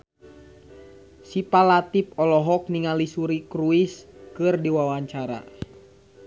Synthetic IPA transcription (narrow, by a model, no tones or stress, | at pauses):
sipalat̪ip̚ɔlɔɦɔk̚niŋalisuɾikɾuiskɨrdiwawaɲt͡ʃaɾa̰